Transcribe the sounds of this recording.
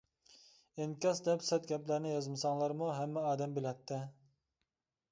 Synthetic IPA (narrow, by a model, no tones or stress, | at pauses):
eŋkʲɑsd̪ɛpsɛt̪̚ɡʲɛplæɾnɪjɑzmɨsɑŋlˠɑɾmuɦɛmːɛɑːd̪ɛmbɪlɛt̪ʰːɛ